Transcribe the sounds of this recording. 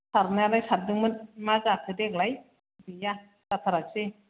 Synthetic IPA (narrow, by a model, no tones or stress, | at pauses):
sʰaɾnaalajsat̚dɯŋmɯnmazakʰɯdeklaj | dɯja | tat̪ʰaɾasi